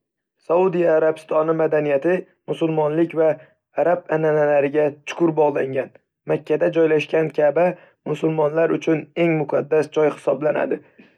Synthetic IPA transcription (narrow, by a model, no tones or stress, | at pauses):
saud̪ijaːɾabɪst̪ʰɒnɪmad̪anijat̪ʰɪ | mʊsʊlˠmɒnlɪkʲvaː | ɾab̚ananalaɾɪɡʲat͡ʃʰʊ̥kʰʊɾbɒʁlˠaŋɡʲan | makʲʰːad̪ad͡ʒɒjlaʃkʲankʲʰaba | mʊsʊlˠmɒnlaɾʊt͡ʃʰʊne̞ŋmʊqʰad̪ːasd͡ʒɒjhɪ̥sɒblana̰d̪ɪ